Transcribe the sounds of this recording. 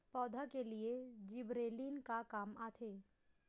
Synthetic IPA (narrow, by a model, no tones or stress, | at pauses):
pɔːd̪ʱakelied͡ʒɪbɾeːlinkakaːmaːt̪ʰeː